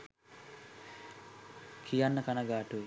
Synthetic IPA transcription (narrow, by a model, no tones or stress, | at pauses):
kʰijanːəkanaɡaːʈuʋe